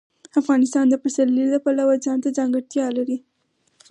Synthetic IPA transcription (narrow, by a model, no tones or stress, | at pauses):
afɣɑnɪst̪ɑnd̪əpasalːiləpalawazɑnt̪ad͡zɑŋɡaɽt̪jɑlaɾi